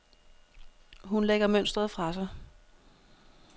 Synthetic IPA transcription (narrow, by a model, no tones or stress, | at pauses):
ɦunleɡ̥ɐmøn̰sd̥ʁɐð̞̩ˠfʁɑ̈sɑ̈ɪ